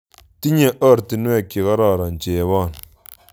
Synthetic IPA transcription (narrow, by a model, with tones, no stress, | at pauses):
ti˦ɲe˦˨ʔə˦˨ɾti˨nwe˦˨ki˨ɣa˦ɾa˦˨ɾa˨n˨t͡ʃeː˨˦wa˦˨n